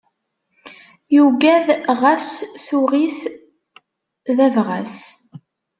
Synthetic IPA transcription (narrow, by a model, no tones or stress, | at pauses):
juɡæðʁæsθuʁiθ | ðævʁæs